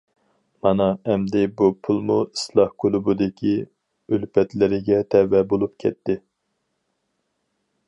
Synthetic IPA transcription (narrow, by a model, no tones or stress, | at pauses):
mɑnɑɛmd̪ɪbupʰulˠmuislˠɑhkʰulˠubud̪ɪkʲʰi | ølpʰɛt̪lɪɾɪɡʲɛt̪ʰɛwɛbolˠupkʲʰɛt̪ːɪ